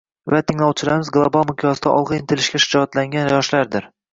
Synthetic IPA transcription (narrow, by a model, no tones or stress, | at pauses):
vat̪ʰɪŋlˠɒwt͡ʃʰɪlaɾmɪzɡlˠobalˠmʊkʲʰjɒsd̪aʔɒ̰lˠʁɨɪnt̪ʰɪlɪʃkʲaʃɪ̥d͡ʒɒt̪laŋɡʲanjɒʃlaɾd̪ɪɾ